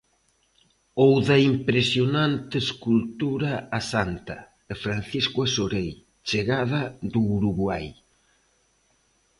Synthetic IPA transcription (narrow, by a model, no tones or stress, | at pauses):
owðɐimpɾesjonant̪eskult̪uɾaːsant̪ɐ | efɾanθiskwasoɾej | t͡ʃeɣaðɐðuːɾuɣwaj